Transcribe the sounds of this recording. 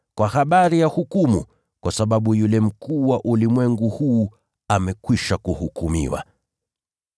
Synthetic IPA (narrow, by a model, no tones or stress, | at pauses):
kwahaɓaɾijahukumṵ | kwasaɓaɓujulɛm̩kuːwaʔulimwɛŋɡuhuː | amɛkwiʃakuhukumḭwa̰